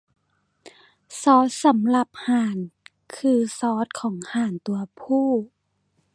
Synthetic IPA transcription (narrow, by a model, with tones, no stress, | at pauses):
sɔː˦˥t̪̚sa˨˦mla˧p̚haː˨˩n | kʰɯː˧sɔː˧˦t̪̚kʰɔː˩˦ŋhaː˨˩nt̪u˧ɐpʰuː˥˩